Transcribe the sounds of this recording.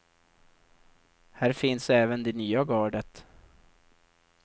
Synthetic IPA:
hæːɾfɪnsɛːvənd̪ɛnyːaɡɑːɖət̪

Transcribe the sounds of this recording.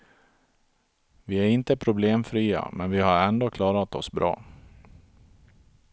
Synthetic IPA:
vɪæɾɪnt̪əpʰɾʊbleːmfɾiːa̰mɛnvɪhaɾɛnd̪oːkʰlɑːɾat̪ɔsbɾɑ̰ː

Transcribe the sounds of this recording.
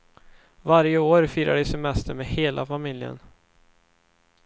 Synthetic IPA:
vaɾjəoːɾfyːɾa̰ɖəsɛmɛst̪əɾmeːheːlʔafamɪljə̰n

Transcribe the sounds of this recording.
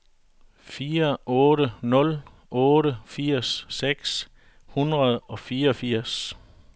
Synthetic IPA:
fiːɐʔɔ̽ːɾənɔ̽l | ʔɔ̽ːɾəfiɐ̰sːeɡ̥s | hunʁɐðˠɒ̽fiːɐɒ̽fiɐ̰s

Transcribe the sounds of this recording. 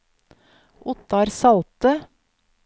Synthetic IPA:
ʔʊt̪ɑɾsɑlt̪ə

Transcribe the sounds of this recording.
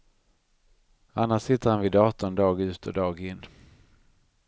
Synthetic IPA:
anːaʂsɪt̪ːəɾhanvɪːd̪ɑːt̪ɔnd̪ɑːɡʉ̟ːt̪əɔd̪ɑːɡɪnː

